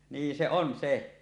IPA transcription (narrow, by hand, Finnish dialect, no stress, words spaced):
niː se on se